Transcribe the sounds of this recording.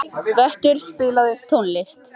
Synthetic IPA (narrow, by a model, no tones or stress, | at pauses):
vɛhcʏɾ̥spɪːlaðɪt̪ʰonlɪst̪